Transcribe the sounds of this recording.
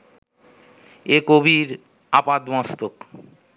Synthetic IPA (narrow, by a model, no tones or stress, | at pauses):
ekobiɾ | apad̪mãst̪ok